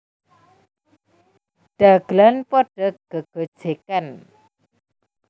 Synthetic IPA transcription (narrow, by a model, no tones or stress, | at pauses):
ɖ̥aɡ̥lanpɔɖ̥ə̤ɡ̥əɡ̥o̤̥ʒ̥ekan